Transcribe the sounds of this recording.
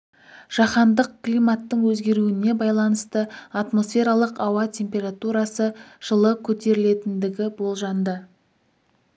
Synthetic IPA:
ʒ̥ɑχɑnd̪əq̚klijmat̪ːəɴwɵzɡʲe̞ɾuɪne̞bɑjlˠɑnəst̪əat̪mo̞sfe̞ɾalˠəqɑwɑt̪ʲʰe̞mpʲe̞ɾat̪uɾɑsəʒ̥əlˠəkʲʰɵt̪e̞ɾɪle̞t̪ɪnd̪ɪɡʲɪbo̞lˠʒɑnd̪ə

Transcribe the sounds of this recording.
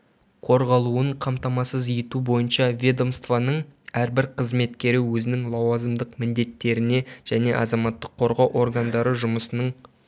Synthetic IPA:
qʰo̞ɾʁɑlˠuəɴqʰɑmt̪ɑmɑsəzijt̪ubo̞jənʃɑvʲed̪omst̪vanəɴæɾbɪɾqʰəzme̞t̪kʲe̞ɾɪwɵzɪnɪŋlˠɑwɑzəmd̪əqmɪnd̪e̞t̪ːe̞ɾɪne̞ʒ̥æne̞ʔɑzɑmɑt̪ːəqʰːo̞ɾʁɑwʔo̞ɾɡɑnd̪ɑɾəʒʊməsənəɴ

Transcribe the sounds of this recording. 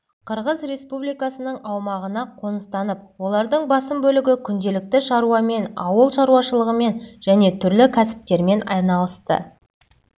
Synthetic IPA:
qʰəɾʁəzɾe̞spublijkɑsənəɴɑwmɑʁənɑqʰo̞nəst̪ɑnəp̚wo̞lˠɑɾd̪əɴbɑsəmbɵlɪɡʲɪkʲʰʏnd̪e̞lɪk̚t̪ɪʃɑɾuwɑme̞nɑ̰wəlˠʃɑɾuwɑʃəlˠəʁəme̞nʒæne̞t̪ʰʏɾlɪkʲʰæsɪ̥p̚t̪e̞ɾme̞nɑ̰jnɑlˠəst̪ə̰

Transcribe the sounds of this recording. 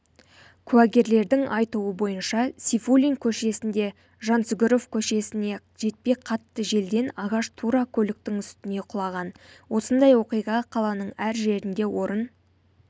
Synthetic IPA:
kʲʰʉæɡʲe̞ɾle̞ɾd̪ɪŋʔɑjt̪uwəbo̞jənʃɑsʲifulʲiŋkʲʰɵʃe̞sɪnd̪e̞ | ʒɑnsʏɡʲɪɾo̞fkʲʰɵʃe̞sɪne̞ | ʒe̞t̪̚pe̞qʰɑt̪ːəʒe̞ld̪e̞nɑʁɑʃt̪ʰuɾɑkʲʰɵlɪk̚t̪ɪŋʏst̪ɪne̞qʰʊlˠɑʁɑnwo̞sənd̪ɑjwo̞qijʁɑqʰɑlˠɑnəɴæɾʒe̞ɾɪnd̪e̞wo̞ɾən

